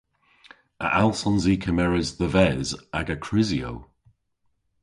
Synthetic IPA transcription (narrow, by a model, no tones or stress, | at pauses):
ə̰ʔalˠsɔ̃nziːkʰəmɛɹəzðəvɛzaɡəkʰɹ̥ɪzjo̰w